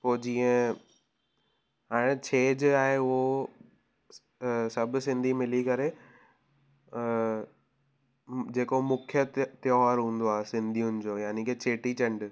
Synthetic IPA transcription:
poːd͡ʑiːə̃ | ɦaːɽ̃ɪt͡ɕʰeːd͡ʑaːɦeʊɦo | sɐb̆sɪ̃nd̪ʱimɪlikɐɾe | d͡ʑeːkomʊkʰjət̪jɔːɾɦũːn̆d̪oaːɦesɪ̃nd̪ʱijʊnɪ̆d͡ʑoːjaːnikʰeːt͡ɕʰeːʈit͡ɕɐ̃ɳɖ

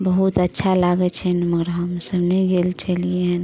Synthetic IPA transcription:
bəɦut̪ətːʃʰalaɡɛt͡ʃʰɛnməɡɾaɦəmsəbnəĩɡelt͡ʃəlieɦɛn

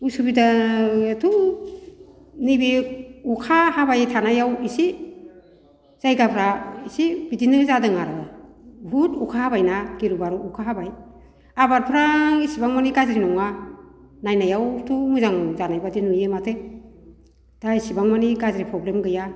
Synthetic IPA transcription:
usubidatʰu | nibiukʰahabajtʰanajawisi | z̥ajɡapʰɾaisib̥idinɯzadɯŋaɾɯ | butukʰahabajnaɡiɾubaɾuukʰaɦabaj | abaɾpʰɾaisibaŋmaniɡazɾinɔŋa | najnajawtʰumujzaŋzanajbadinujematʰe | d̥aisibaŋmaniɡazɾipʰɾɔblemɡɯja

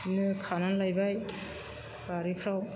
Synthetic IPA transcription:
inɯkʰananlajbaj | baɾipʰɾaw

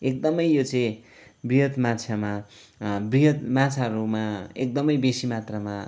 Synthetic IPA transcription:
ek̚d̪ʌmʌjjot͡sʌĩ | briɦʌt̪mat͡sʰama | briɦʌt̪mat͡sʰaɾumaek̚d̪ʌmʌjbesimat̪rʌma

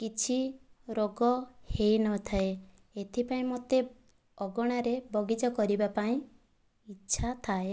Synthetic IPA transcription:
kit͡ʃʰiɾoɡɔheinɔt̪ʰae | et̪ʰipaĩmot̪e | ɔɡɔɽ̃aɾebɔɡid͡ʒɔkɔɾibapaĩ | itːʃʰat̪ʰae

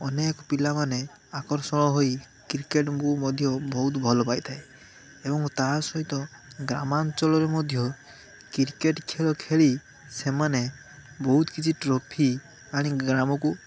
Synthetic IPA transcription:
ɔnekɔpilamane | akɔɾsɔɽ̃ɔɦoj | kiɾkeʈkumɔd̪ʱjɔbɔɦut̪bʱɔlɔpajt̪ʰae | ebɔŋt̪asɔɦit̪ɔ | ɡɾamant͡ʃɔlɔɾemɔd̪ʱjɔ | kiɾkeʈkʰeɭɔkʰeɭi | semane | bɔɦut̪kit͡ʃʰiʈɾɔpʰi | aɽ̃iɡɾamɔku

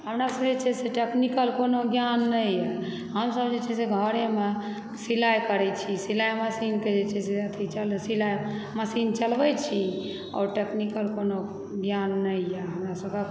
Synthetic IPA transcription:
ɦəmɾasəbd͡ʒet͡ʃʰɛseʈeknikəlkonoɡjanːəjjɛ | ɦəmsəbd͡ʒet͡ʃʰɛseɡʱəɾeme | silajkəɾɛt͡ʃʰisilajməsinked͡ʒet͡ʃʰɛseət̪ʰit͡ʃəlsilajməsint͡ʃəlbɛt͡ʃʰi | ɔ̰ːɾʈeknikəlkono | ɡjanːəjjɛɦəmɾasəbke

